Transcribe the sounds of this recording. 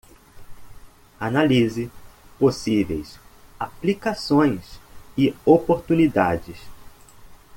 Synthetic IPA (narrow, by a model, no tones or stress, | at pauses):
analizɪposivḛjsaplikasõj̃sɪopoɾt̪unid̪a̰d͡ʒɪs